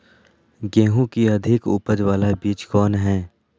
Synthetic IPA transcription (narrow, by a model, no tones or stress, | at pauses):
ɡẽːɦũkiɐd̪ʱɪkʊ̰pəd͡ʒʋaːlabiːt͡ʃkɔːnɦɛ̃ː